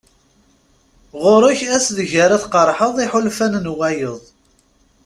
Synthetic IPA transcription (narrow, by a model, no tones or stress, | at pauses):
ʁʊɾˤʊçæsðəʝəɾæθqəɾˤħəðˤiħʊlfænnwæjəðˤ